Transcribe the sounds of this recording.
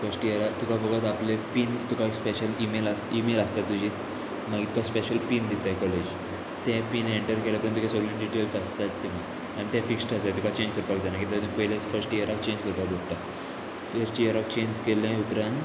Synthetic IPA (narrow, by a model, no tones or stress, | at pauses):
fəɾsʈiəɾat̪ukʰafəɡət̪aplepiːnt̪ukakspeɕəlimelasimeləst̪at̪ːud͡ʑiːt̪ | maɡit̪u̥kʰaspeɕəlpind̪it̪ajkɔled͡ʑ | t̪ɛ̃piːneɳʈəɾkelãpəɾənt̪ukʰẽsɔlẽɳɖiʈelsast̪at̪ːimi | añit̪efiksʈəst̪at̪ukʰat͡ɕẽɲd͡ʑkəɾpakd͡ʑ̪anakit̪at̪umipəɦilãt͡sfəɾsʈiəɾakt͡ɕẽɲd͡ʑkəɾt̪aboɽʈ̪a | fəsʈiəɾak̚t͡ɕeɲd͡ʑkelẽupɾãnt̪